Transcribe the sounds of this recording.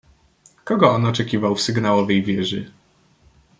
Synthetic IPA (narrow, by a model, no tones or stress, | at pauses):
kɔɡɔɔnɔt͡ʂɛkʲivawfsɘɡnawɔvɛjvʲjɛʐɘ